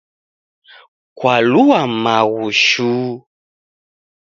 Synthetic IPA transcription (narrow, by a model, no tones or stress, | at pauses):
kwaluwamaɣuʃu